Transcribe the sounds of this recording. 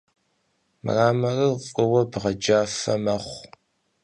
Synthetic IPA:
m̰raːmɐrɨfʼəwɐbʁɐd͡ʒaːfɐmɐχʷ

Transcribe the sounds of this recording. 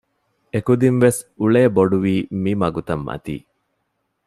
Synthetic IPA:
ekud̪inʋes | uɭeːboɖuʋiːmimɐɡut̪ɐmːɐ̰t̪ḭː

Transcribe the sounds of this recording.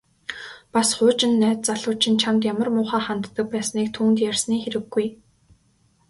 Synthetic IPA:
pasχʊːt͡ɕɪ̆nːæːt̪̚t͡saɮʊːt͡ɕʰɪ̆nt͡ɕʰamt̪jamə̆rmʊːχaːχant̪ːə̆k̚pæːsniːk̚t̪ʰuːnt̪jærsniːxeɾɘ̆ɡːuj

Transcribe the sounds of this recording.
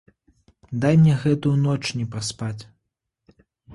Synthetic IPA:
d̪ajmʲnʲɛɣɛt̪ujunɔt͡ʂnʲɛpɐspat͡sʲ

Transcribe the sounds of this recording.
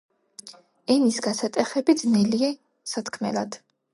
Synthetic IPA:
ɛnisɡasat̪ʼɛχɛbid̪znɛliɛ | sat̪ʰkʰmɛ̰lad̪̥

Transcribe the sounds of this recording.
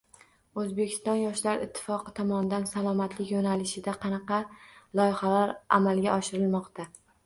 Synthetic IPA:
ɵzbe̞kʲʰɪ̥st̪ɒnjɒʃlaɾɪ̰t̪ʰːɪ̥fɒqɨt̪ʰɒmɒnɪd̪ansalˠɒmat̪lɪkʲjonalɪʃɪd̪aqʰɑnɑqɑlˠɒjɪχalaɾa̰malɡʲaʔɒʃɪɾɪlmɒqt̪ʰa

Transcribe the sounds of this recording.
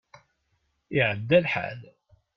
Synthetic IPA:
ɪʕəd̪ːælħa̰l

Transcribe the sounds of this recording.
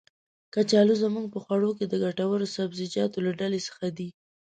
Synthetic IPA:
kat͡ʃɑluzəmuŋɡ̚pəxwaɽok̬ed̪əɡaʈawaɾosabzɪd͡ʒɑt̪olaɖalesə̥xad̪i

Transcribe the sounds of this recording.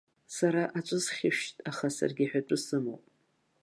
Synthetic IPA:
saɾaʔat͡ʃʷʼʊsχʲɪʃtʼaχasa̰rɡʲiħᶣaʈ͡ʂʼɨsɨmo̰wpʼ

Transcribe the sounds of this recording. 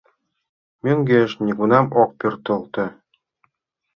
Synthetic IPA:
mʲeŋʲɡeʃnʲiɡunɑmok̚pʲyrt̪ɤ̆lˠt̪ɤ̆

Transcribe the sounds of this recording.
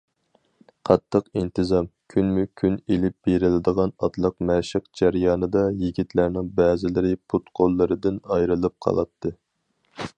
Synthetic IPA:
qʰɑt̪ʰːəqint̪ɨzɑmkʲʰynmykʲʰynelɪp̚b̥eɾɪlɪd̪əʁɑnɑt̪lˠəqmɛʃɪqd͡ʒæɾjɑːnɨd̪ɑjiɡʲit̪ʰlæɾnɪŋbɛːzɪlɪɾɪpʰut̪qʰolˠːɨɾɨd̪ɪnɑjɾɨlˠɨp̚qʰɑ̰lˠɑ̰t̪ʰːɨ

